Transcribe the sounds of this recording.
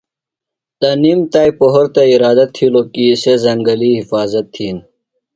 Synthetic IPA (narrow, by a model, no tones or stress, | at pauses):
t̪ɐniːmt̪aːipoɦoɾt̪eiɾaːd̪ɐt̪ʰːilokisezɐŋɡɐliɦifaːzɐt̪ʰːiːn